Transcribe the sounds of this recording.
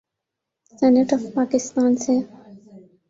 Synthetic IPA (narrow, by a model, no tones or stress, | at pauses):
seneʈɔfpɑːkɪst̪ɑːnse